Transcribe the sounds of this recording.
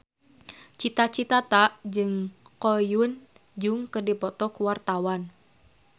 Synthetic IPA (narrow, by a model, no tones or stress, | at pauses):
t͡ʃit̪at͡ʃit̪at̪aʔd͡ʒɨŋkɔjun | d͡ʒuŋkɨrdipɔt̪ɔkuwart̪awan